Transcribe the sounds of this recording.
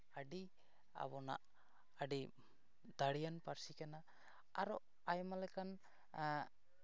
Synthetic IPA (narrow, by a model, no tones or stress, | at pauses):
aɖi | a̰bɔna̰ʔ | aɖi | d̪aɽijanpaɾsikana | aɾɔ | ajmalɛkan